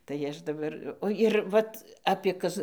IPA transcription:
tɐɪ ˈɐʃ dɐˈbɐr ˈoː ɪr ˈʋɐt ɐpʲiɛ ˈkɐs

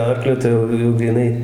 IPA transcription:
ˈɐrklʲʊ ˈtɐɪ jɛʊ jɛʊ ɡrʲiːˈnɐɪ

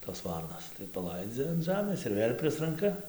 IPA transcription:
toːs ˈʋɐrnoːs tɐɪ pɐˈlˠɐɪd͡zʲɛ ɐn ˈʒɑːmʲeːs ɪr ˈʋʲeːlʲ ˈpʲrʲɪsrɐŋkɐ

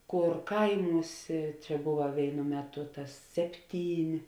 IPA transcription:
ˈkoːr ˈkɐɪˌmuːsʲeː ˈt͡ʃʲɛ ˈbʊʋɐ ˈʋʲeːɪnʊ ˈmʲæːˌtʊ ˈtɐs ˈsʲæːpʲˌtʲiːnʲ

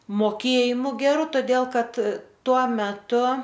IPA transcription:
moːˈkʲeːjɪmʊ ɡʲɛˈrʊ toːˈdʲeːlˠ ˈkɐt ˈtuɔ mʲɛˈtʊ

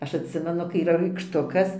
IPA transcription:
ˈɐʃ ɐtʲˈsʲɪmʲɛnʊ kɐɪ iːˈrɐ rɐɪkʃˈtʊkɐs

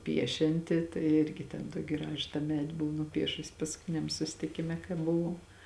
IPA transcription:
ˈpʲiɛʃʲɛnʲtʲɪ tɐɪ ˈɪrʲɡʲɪ tʲɛn ˈtuɔkʲɪ ˈɡrɑːʒʊ tɑː ˈmʲæːdʲɪ ˈbʊʋoː nʊˈpʲiɛʃʊsʲɪ pɐskʊˈtʲɪnʲɛm sʊsʲɪtʲɪˈkʲɪmʲɛ kɐɪ bʊˈʋɐʊ

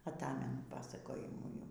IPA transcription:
ɐˈtɑːmʲɛnʊ ˈpɑːsɐkoːjɪmuː jɛʊ

